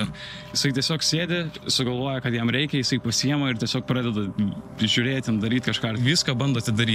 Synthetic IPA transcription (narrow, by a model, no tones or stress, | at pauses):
jɪsɐɪt̪ʲiɛsʲoːksʲeːd̪ʲɪsʊɡɐlˠʋoːjɛkɐt̪jɛmɾʲɛɪkʲɛjɪsɐɪpɐsʲijɛmɐɪrt̪ʲiɛsʲoːk̚pɾɑːd̪ʲɛd̪ɐʒʲʊɾʲeːt̪ʲɪnd̪ɐɾʲiːt̪ʲkɐʃkɑːʋʲiskɐːbɐnd̪oːɐt̪ʲɪd̪ɐɾʲiː